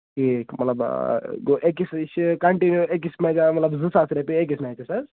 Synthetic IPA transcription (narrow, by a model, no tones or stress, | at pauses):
kimɐt̪lɐbɡoʔekist͡ʃʰkɐɳʈinjuek̬ismed͡ʒamɐt̪lɐbzɨsasɾepiek̬isnaekisaz